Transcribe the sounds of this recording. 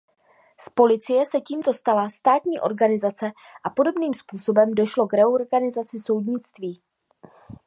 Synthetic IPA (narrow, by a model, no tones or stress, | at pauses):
spo̞lɪt͡sɪjɛsɛciːmt̪o̞st̪alast̪aːt̪ɲiːʔo̞̰ɾɡanɪzat͡sɛ | ʔapo̞do̞bniːmspuːsobɛmdo̞ʃlo̞ɡɾɛoɾɡanɪzat͡sɪso̞wdɲɪt͡st̪viː